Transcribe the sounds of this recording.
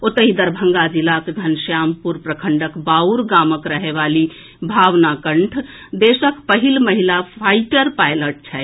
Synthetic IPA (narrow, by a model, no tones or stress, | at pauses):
ot̪əɦid̪əɾbʱəŋɡad͡ʒilakeɡʱənsjampuɾpɾəkʰəɳɖəkbauɾɡaməkɾəɦeʋali | bʱaʋnakəɳʈʰ | d̪esəkpəɦilməɦilapʰaiʈəɾpajləʈ̚t͡ʃʰɛ